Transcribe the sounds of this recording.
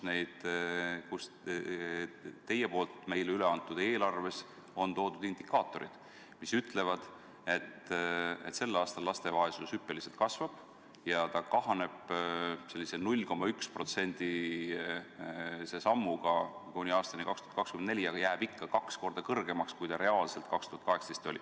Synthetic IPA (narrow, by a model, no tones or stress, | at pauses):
ne̞jd̪̥kus | t̪e̞jːepo̞ːlt̪ˑme̞jlyle̞ɑnt̪ːˑud̪̥e̞ːlɑrve̞s | o̞nt̪o̞ːd̪ud̪ind̪̥ikːˑɑːt̪ːˑo̞ɾid̪̥ | misyt̪ˑle̞vɑd̪̥ | e̞t̪ːe̞̰t̪se̞lːɑːst̪ɑlːlɑst̪e̞vɑesusypːˑe̞liselt̪̚kɑsvɑb̥ | jɑt̪ɑkɑɦɑne̞b̥se̞lːisenulʲːko̞mːɑykspro̞t̪se̞nʲd̪̥i | se̞sɑmːuɡɑkunʲiɑːst̪ɑnikɑkst̪uhɑt̪kɑkskymenne̞lʲiɑɡ̥ɑjæːb̥ikːɑkɑksko̞rd̪ɑkɤrɡ̥e̞mɑkskujt̪ɑɾe̞ɑːlse̞lt̪̚kɑkst̪uhɑt̪kɑɦe̞kst̪est̪o̞lʲḭ